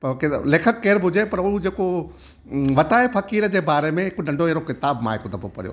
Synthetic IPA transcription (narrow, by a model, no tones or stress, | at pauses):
pɐkɪleːkʰəkːeːɾbʱʊd͡ʑepɐɾʊɦud͡ʑeːko | ʋɐt̪aːefɐkiːɾd͡ʑeːbaːɾemẽɦɪknɐ̃ɳɖʱoeːɾokɪt̪aːbmã̰ːɦɪkod̪ʱɐpopɐ̰ɾijo̰ː